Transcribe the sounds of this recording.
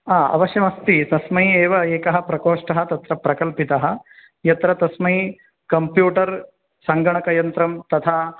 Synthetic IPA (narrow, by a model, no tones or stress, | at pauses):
aːɐ̰ʋɐʃjɐmɐst̪it̪ɐsmɐjieːʋɐeːkɐɦɐ̆pɾɐkoːʂʈɐɦɐt̪ɐt̪ɾɐpɾɐkɐlpit̪ɐɦɐ̆ | jɐt̪ɾɐt̪ɐsmɐji | kɐmpjuːʈɐɾ | sɐŋɡɐɳɐkɐjɐnt̪ɾɐmt̪ɐt̪ʰaː